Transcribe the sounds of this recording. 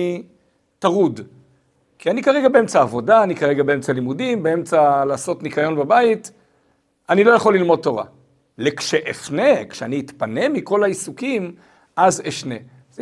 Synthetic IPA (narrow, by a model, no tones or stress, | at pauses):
taʁud | kʰianikaʁe̞ɡabee̞mt͡saːvo̞daːnikaʁeɡabee̞mt͡salimudimbee̞mt͡salaːso̞tnikajo̞nbabait | anilo̞jaχo̞lːilmo̞d̚tːo̞ʁa̰ | lekʃeʔefne̞kʃeaniːt̪pane̞miko̞laisukim | ʔazeʃne̞ | z